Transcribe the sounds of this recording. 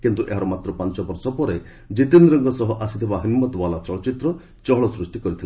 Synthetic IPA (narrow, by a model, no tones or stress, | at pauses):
kint̪uʔḛɦaɾɔmat̪ɾɔpant͡ʃɔbɔɾsɔpɔɾe | d͡ʒit̪inɾɔŋɡɔsɔɦɔʔasit̪ʰibaɦimːɔt̪ɔbalat͡ʃɔɭɔt͡ʃit̪ɾɔ | t͡ʃɔɦɔɭɔsɾusʈikɔɾit̪ʰila